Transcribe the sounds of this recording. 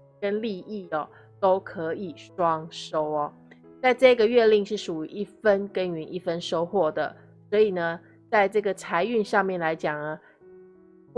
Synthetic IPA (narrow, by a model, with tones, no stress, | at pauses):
kə˦nli˥˧i˥˩ɐ˨ | t̪o˥ʊkʰɤ˧˦i˨˩ʂwɑ˥ŋʂo˥ʊɐ˨ | t͡sa˥˧ɪʈ͡ʂɤ˥˧i˥ɡə˨ɥɛ˥˧li˥˧ŋʂɻ̩˥˩ʂu˨˩y̰˧˥˦ʔi˥˩fə˦nkə˥ny˧˥ni˥˩fə˦nʂo˥ʊxwɔ˥˩d̪ə̰˩ | swɔ˧˥i˨˩nə˦ | t͡sa˥˧ɪʈ͡ʂɤ˥˩ɡə˩t͡sʰa˧˥ɪy˥˧nʂɑ˥˧ŋmjɛ˥˩nla˧˥ɪt͡ɕjɑ˨˩ŋɐ˦